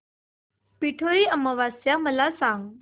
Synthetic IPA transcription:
piʈʰoɾiːəməʋasjaməlasãŋɡ

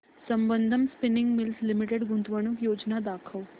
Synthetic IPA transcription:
sɐmbənd̪ʱəmspɪnɪ̃ŋɡmɪlslimiʈeɖɡũnt̪ʋəɳ̃ukjoːd͡ʒnad̪aːkʰəʋ

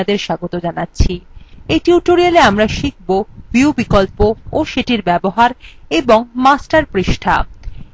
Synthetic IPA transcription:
d̪eɾʃaɡot̪od͡ʑanatːɕʰieʈiuʈoɾialeamɾaʃik̚ʰbobiubikolpooʃeʈiɾbɛboɦaɾeboŋmasʈaɾpɾiʃʈʰa̰

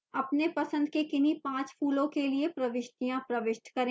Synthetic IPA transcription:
ɐpnepɐsə̃nd̪kekɪnipãːt͡ʃpʰuːlõkeliepɾɐʋɪʃʈijãpɾɐʋɪʃʈkɐɾẽː

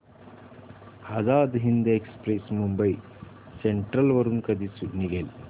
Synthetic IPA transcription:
ɐd͡ʒaːd̪ɦind̪eːkspɾesmumbɐj | seɳʈɾɐlʋɐɾunkɐd̪isuniɡel

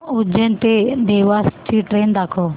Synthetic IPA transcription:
ʊd͡ʒʱent̪eːd̪eːʋaːst͡ʃiːʈɾeːnd̪aːkʰoː

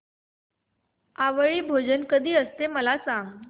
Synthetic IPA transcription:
aʋəɭiːbʱod͡ʑənkəd̪ʱiːəst̪eməlasãŋɡ

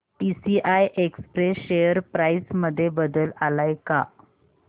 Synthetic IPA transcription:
ʈisiʔajʔekspɾesɕejəɾpɾaisməd̪ʱːjebəd̪əlalajka̰

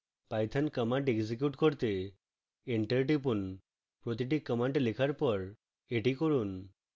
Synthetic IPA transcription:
pajt̪ʰankəmaɳʈeɡzikjuʈkoɾt̪e | eɳʈəɾʈ̬ipun | pɾot̪iʈ̬ikːəmaɳʈlekʰaɾpɔɾ | eʈikoɾun

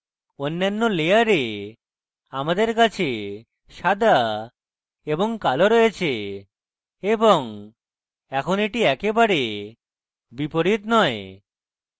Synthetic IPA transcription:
onːanːolejaɾe | amad̪eɾk̬at͡ɕʰe | ʃad̪a | eboŋkaloɾɔjet͡ɕʰe | eboŋ | ɛkʰoneʈiɛkebaɾe | bipoɾit̪nɔe

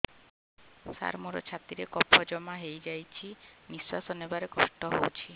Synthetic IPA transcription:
sa̰ɾmuɾɔ̰t͡ʃʰat̪iɾekɔpʰɔd͡ʒɔmaɦejd͡ʒajt͡ʃʰiniswasɔnebaɾekɔ̰sʈɔɦowt͡ʃʰi

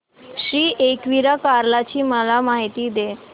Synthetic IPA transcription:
ɕɾiːʔekʋiɾakaɾlat͡ɕiːməlamaɦit̪iːd̪e

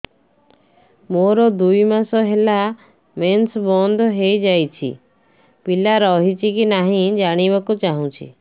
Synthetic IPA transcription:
moɾɔd̪ujmasɔɦela | mensbɔnd̪ʱɔɦejd͡ʒajt͡ʃʰḭ | pilaɾɔɦit͡ʃʰikinaɦĩd͡ʒaɽ̃iβakut͡ʃaɦũt͡ʃʰḭ

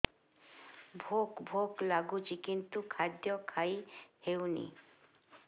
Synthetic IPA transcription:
bʱokbʱoklaɡut͡ʃikint̪ukʰad̪jɔkʰajhewnḭ

